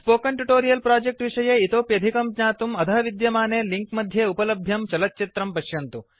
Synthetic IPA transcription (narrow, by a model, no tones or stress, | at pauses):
spoːkɐɳʈuʈoːɾijɐlpɾaːd͡ʒek̚ʈʋiʂɐjeːit̪oːpjɐd̪ʱikɐmkɲaːt̪umɐd̪ʰʱɐɦɐʋid̪jɐmaːneːliŋkmɐd̪ʱjeːupɐlɐbʱjɐmt͡ʃɐlɐt̪ːt͡ʃit̪ɾɐmpɐʃjɐnt̪u